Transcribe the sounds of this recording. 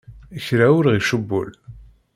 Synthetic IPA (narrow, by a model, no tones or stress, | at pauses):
əçɾæʊɾʁiʃəbːʊ̰l